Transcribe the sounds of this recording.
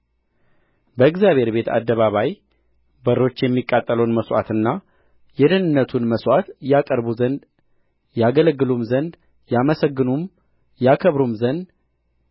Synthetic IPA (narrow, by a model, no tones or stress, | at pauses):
bəɨɡzjaβhe̞ɾbe̞t̪ʰa̰d̪ːəβaβaj | bəɾo̞t͡ʃːjɛmːikʼːat̪ʼːələwnməswa̰t̪ɨnːa | jɛd̪ɨnɨnːət̪ʰunməswat̪jakʼəɾbuzənd̪ | jaɡələɡːɨlumzənd̪ | jaməsəɡːɨnum | jakʰəβɾumzənd̪